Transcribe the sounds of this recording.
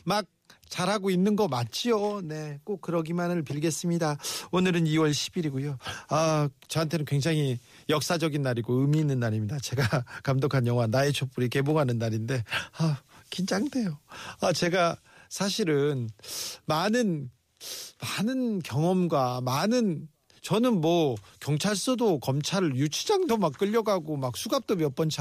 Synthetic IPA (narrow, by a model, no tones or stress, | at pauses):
mak̚t͡ɕaɾɦaɡoinːɯnɡʌmat̚t͡ɕ͈ione̞k͈ok̚k͈ːɯɾʌɡimanɯɭpiɭɡe̞s͈ɯmɲidaonɯɾɯniwʌɭɕʰi̥biɾiɡojoat͡ɕʌɦantʰe̞nɯnkwe̞ŋd͡ʑaŋɦi | jʌk̚s͈ad͡ʑʌɡinːaɾiɡoɯmiːnːɯnːaɾimɲidat͡ɕe̞ɡakamdokʰanjʌŋwanaet͡ɕʰop͈uɾike̞boŋɦanɯnːaɾinde̞akind͡ʑaŋde̞joat͡ɕe̞ɡa | sʰaɕʰiɾɯnmanɯn | manɯnkjʌŋʌmɡwamanɯn | t͡ɕʌnɯnmwʌkjʌŋt͡ɕʰaɭs͈odokʌmt͡ɕʰaɾɯjut͡ɕʰid͡ʑaŋdomak͈ːɯʎːʌɡaɡomak̚s͈ʰuɡap̚t͈omjʌp͈ʌnt͡ɕʰ